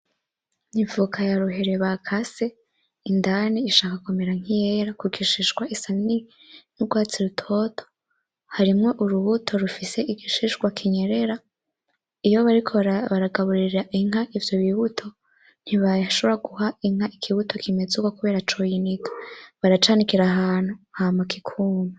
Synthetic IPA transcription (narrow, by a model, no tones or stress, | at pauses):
ɲivukʰajaɾuɦe̞ɾeβakʰase̞ | indaniːʃaːkakume̞ɾaŋ̥ijeɾakuɡiʃiʃɡwaʔisani | n̥uɡwaːt͡siɾutʰo̞tʰo̥ | haɾimŋo̞ʔuɾuβutʰo̞ɾufise̞iɡiʃiʃɡwakʰiɲeɾe̞ɾa | ijo̞βaɾikʰoβaɾaɡaβuɾiɾaʔiŋ̥ɦaʔivjo̞βiβutʰo̞ | n̥hiβaʃoβɾaɡuɦaiŋ̥haʔikʰiβutʰo̞kʰime̞d͡zuɡokuβe̞ːɾat͡ʃojinitʰo̥βaɾat͡ʃaːnikiɾaɦaːn̥huhamakʰikʰuːma